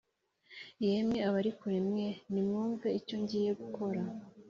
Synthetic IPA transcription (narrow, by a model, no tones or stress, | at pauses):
jemɲeaβaɾikuɾemŋe̞nimŋuːɱveico̞ɲɟiːje̞ɡukʰo̞ɾa